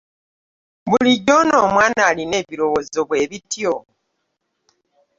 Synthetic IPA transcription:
βuliɟo̞no̞ːmwaːnaːline̞ːβiɾo̞wozo̞βwe̞ːβitjo

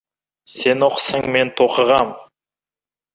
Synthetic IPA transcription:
se̞noqsəŋme̞nt̪ʰoqəʁɑm

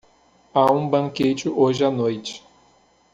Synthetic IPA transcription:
aũbɐ̃ŋket͡ʃɪʔoʒɪanojt͡ʃɪ̥

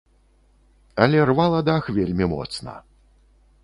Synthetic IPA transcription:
ɐlʲɛrvalˠɐd̪axvʲelʲmʲimɔ̰t̪snɐ̰

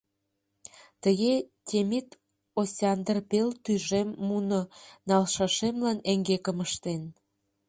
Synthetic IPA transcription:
t̪əɣet̪ʲemit̪ | osʲɑnd̪rpelt̪yʒemːunonɑlʃɑʃemlɑneŋɡekəməʃt̪en

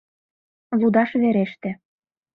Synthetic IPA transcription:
lud̪ɑʃβeɾeʃt̪ĕ

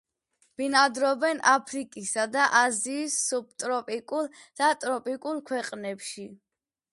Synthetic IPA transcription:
b̥inad̪ɾɔbɛnapʰɾikʼisad̪aʔaziːsːub̚t̪ʼɾɔpʼikʼulˠ | d̪̥at̪ʼɾɔpʼikʼulˠkʰwɛqʼnɛpʃi

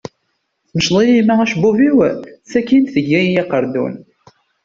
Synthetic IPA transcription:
θməʃlˤijimææʃbuviwθækːinθəɡːæjjɑqəɾˤd̪ṵn

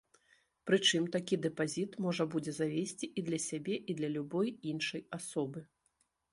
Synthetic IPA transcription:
pɾɨt͡ʂɨmt̪akʲid̪ɛpazʲit̪mɔʐɐbud͡zʲɛzavʲesʲt͡sʲiʔid̪lʲɐsʲabʲɛʔid̪lʲɐlʲubɔjinʂɐjasɔbɨ

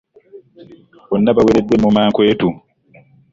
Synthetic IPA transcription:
ʔɔnːabawɛɾɛdːɛmɔmaːŋkweːtu

